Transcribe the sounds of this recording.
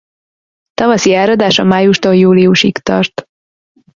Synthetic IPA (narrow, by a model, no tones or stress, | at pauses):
t̪ɒvɒsiɛlɾɒd̪aːʃɒmaːjuʃt̪ojuːliuʃikt̪ɒ̰rt̪